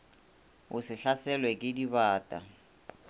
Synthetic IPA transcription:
ʊsɪɬasɛlwɛkʼɪdibaːtʼa̰

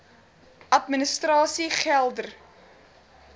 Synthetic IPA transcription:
ɐtminəstrɑːsiχælˠdər

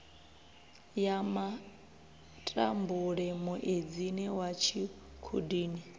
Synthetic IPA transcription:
jama | tʼa̰mbuɺɛmuʔed͡ziniwat͡ʃʰi | kʰṵdiːni

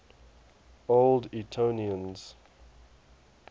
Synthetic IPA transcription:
olditʰoniə̃nz̥

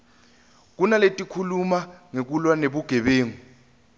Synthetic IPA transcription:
k̬unaletʼikʰulumaŋek̬ulwaneɓuɡ̥ʱɛɓeːŋu

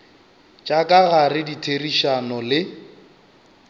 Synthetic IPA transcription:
t͡ʃʼakʼaɣarɪditʰeriʃanɔlɪ

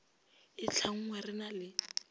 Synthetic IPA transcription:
ɪt͡ɬʰaŋ̩ŋwɛrɪnalɪ

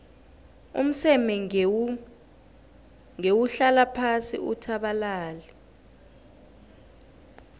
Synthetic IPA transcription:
ṵm̩sɛmɛ | ŋewuɬalapʰasḭutʰaɓalaːlɛ

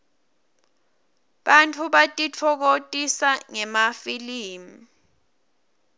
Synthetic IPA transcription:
ɓantʰuɓatʼitʰɔk̬otʼisaŋɛmafiliːmi

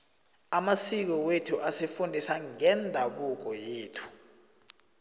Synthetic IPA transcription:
amasik̬ɔwetʰuʔasefundʱisaŋɛndʱaɓuk̬ɔjeːtʰu̥

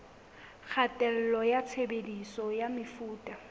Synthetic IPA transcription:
k͡xʰatʼɛl̩lɔjat͡sʰebedisɔjamɪfuːtʼa

